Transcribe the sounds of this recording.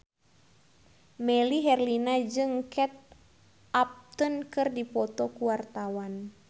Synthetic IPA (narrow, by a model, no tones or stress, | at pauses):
mɛliɦɛrlinad͡ʒɨŋkɛt̪̚ | ap̚t̪ənkɨrdipɔt̪ɔkuwart̪awan